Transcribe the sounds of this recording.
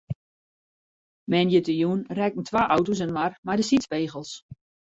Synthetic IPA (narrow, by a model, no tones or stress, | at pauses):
mɛnjətəjunrɛkn̩tʰʋaːʔawtos̬ənmarmajdəsitspeːɣəlˠs